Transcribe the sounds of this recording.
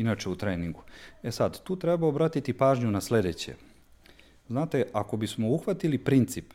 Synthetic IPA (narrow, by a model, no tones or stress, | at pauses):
inat͡ʃeut̪ɾeːniŋɡuesad̪t̪uːt̪ɾebaobɾaːt̪it̪ipaːʒɲunasle̞d̪et͡ɕḛ | znaːt̪e̞ʔako̞bismo̞uxʋat̪ilipɾint̪sip